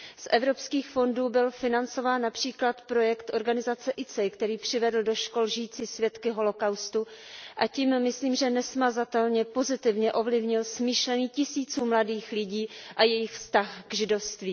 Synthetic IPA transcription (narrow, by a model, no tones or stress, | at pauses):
sʔɛvɾo̞pskiːxfo̞nduːbɪlfɪnant͡so̞vaːnːapr̥iːklat̪pɾo̞jɛkt̪ʔo̞ɾɡanɪzat͡sɛʔɪt͡sɛkt̪ɛɾiːpr̝̥ɪvɛdl̩do̞ʃko̞lʒɪjiːt͡siːsvjɛt̪kɪɦo̞lo̞kawst̪uʔacimːɪsliːmʒɛnɛsmazat̪ɛlɲɛpo̞zɪt̪ɪvɲɛʔo̞vlɪvɲɪlsmiːʃlɛniːcɪsiːt͡suːmladiːxlɪɟiːʔajɛjɪxfst̪axɡʒɪdo̞fst̪viː